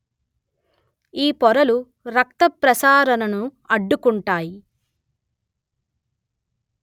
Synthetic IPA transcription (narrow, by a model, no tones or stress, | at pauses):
iːpɔɾɐlu | ɾɐkt̪ɐpɾɐsaːɾɐnɐnuɐɖːukuɳʈaːji